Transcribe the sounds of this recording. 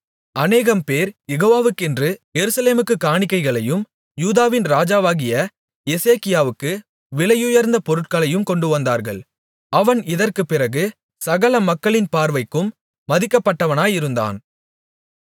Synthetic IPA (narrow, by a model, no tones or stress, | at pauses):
ɐneːɣɐmpeːɾjɛɣoːʋaːʋɯkːɛndrɯjɛɾɯsɐleːmɯkːɯkaːɳɪkːɐɪɣɐɭɐjɯm | juːðaːʋɪnɾaːd͡ʒaːʋaːɣɪjɐ | jɛseːkɪjaːʋɯkːɯ | ʋɪɭɐjʊjɐɾnd̪ɐpɔɾɯʈ̚kɐɭɐjɯmkɔɳɖɯʋɐnd̪aːɾɣɐ̰ɭ | ɐʋɐnɪðɐrkɯpːɪɾɐɣɯ | sɐɣɐɭɐmɐkːɐɭɪnpaːɾʋɐɪkːɯmː | ɐðɪkːɐpːɐʈːɐʋɐnaːjɪɾɯnd̪a̰ːn